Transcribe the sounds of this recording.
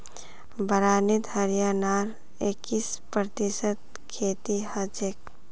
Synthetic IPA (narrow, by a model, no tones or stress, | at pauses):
bəɾaːnit̪həɾjaːnaːɾ | ekːispɾət̪isət̪̚ | kʰeːt̪ihəd͡ʒek